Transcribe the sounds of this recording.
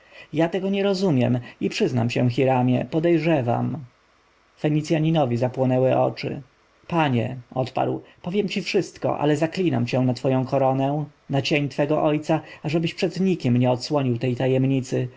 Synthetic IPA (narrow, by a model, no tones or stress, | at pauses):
jat̪ɛɡɔɲɛɾɔzumʲjɛmipʂɘzna̰mt͡ɕɛ̃w̃xʲiɾamʲjɛ̰pɔd̪ɛjʐɛva̰m | fɛɲit̪sjaɲinɔvʲizapwɔnɛwɛʔɔ̰t͡ʂɘ̰ | paɲɛɔt̪pa̰ɾwpɔvʲjɛmt͡ɕifʂɘst̪kɔ̰ʔa̰lɛzaklʲina̰mt͡ɕɛ̃w̃nat̪fɔjɔ̃w̃kɔɾɔnɛ̃nat͡ɕeɲt̪fɛɡɔʔɔjt̪saaʐɛbɘɕpʂɛd̪ɲikʲɛmɲɛɔt̪swɔɲiwt̪ɛjt̪ajɛmɲit̪sɘ